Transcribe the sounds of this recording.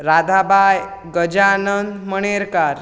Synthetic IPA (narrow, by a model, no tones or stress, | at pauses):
ɾad̪ʱabaj | ɡəd͡ʒaːnənd̪məɳ̃eɾkaɾ